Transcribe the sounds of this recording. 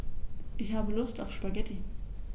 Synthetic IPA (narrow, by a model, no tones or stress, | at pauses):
ʔɪçhaːbəlʊstaʊfʃpaɡɛtʰi